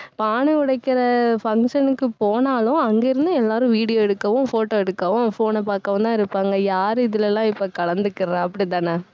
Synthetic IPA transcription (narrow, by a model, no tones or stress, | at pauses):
paːnɐʊɽɐɪkːɪɾɐfɐŋkʂɐnɯkːɯpoːnaːlʊ̃ɐŋɡeɪɾɯnd̪ɯɛlːaːɾʊ̃ʋiːɽɪjoːɛɽɯkːɐʋʊ̃foːʈoːɛɽɯkːɐʋʊ̃foːnɐpaːkːɐʋɐnt̪ãːɪɾɯpːaːŋɡɐjaːɾɯɪðɪlɛlːãːɪpːokɐɭɐnd̪ɯkːɪɾɐɾɛ̃ːɐpːɐɽit̪aːnɐ